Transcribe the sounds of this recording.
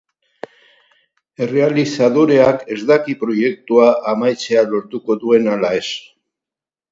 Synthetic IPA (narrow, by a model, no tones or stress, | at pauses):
e̞re̞alisaðoɾe̞ake̞zd̪akipɾo̞je̞k̚t̪uaʔamajt͡se̞alo̞ɾt̪uko̞ðue̞nalae̞s